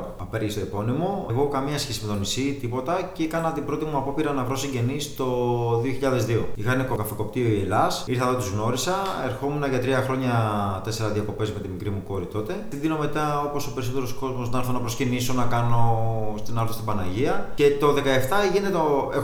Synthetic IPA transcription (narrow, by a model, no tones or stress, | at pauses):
ɐpeɾʝist̪oipo̞nimo̞ɣo̞kɐmiɐsçesime̞t̪onisit̪ipo̞t̪ɐceekɐnɐt̪ibɾo̞t̪imuɐpo̞piɾɐnɐvɾo̞siɲɟe̞nist̪o̞ðio̞çiʎɐðe̞zðio̞ixɐinekokɐfiko̞p̚t̪ioielɐsiɾθɐðot̪uzɣno̞ɾisɐeɾxo̞munɐʝɐt̪ɾiɐxɾo̞ɲɐt̪e̞se̞ɾɐðiɐko̞pe̞zme̞t̪imikɾimuko̞ɾit̪o̞t̪e̞t̪iðino̞me̞t̪ɐo̞po̞so̞pe̞ɾiso̞t̪e̞ɾo̞sko̞zmosnɐlθɐnɐpɾo̞sciniso̞nɐkɐno̞st̪inɐɾθost̪ibɐnɐʝiɐce̞t̪o̞ðe̞kɐeft̪ɐʝinet̪t̪oe